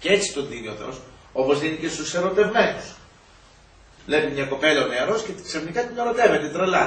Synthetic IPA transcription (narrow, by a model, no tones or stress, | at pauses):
ceet͡si̥t̪o̞ndinioθeo̞s | o̞po̞zðinice̞st̪use̞ɾo̞t̪e̞vme̞nus | lepimɲɐko̞pe̞lɐomeɾo̞sceksɐfnikɐt̪ine̞ɾo̞t̪e̞ve̞t̪et̪ɾelɐ